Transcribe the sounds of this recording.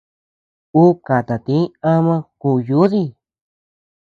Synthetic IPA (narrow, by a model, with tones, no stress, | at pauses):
u˦ka˨t̪a˨t̪ĩ˨˦a˦˧mã˧kuː˧ju˨˦ði˧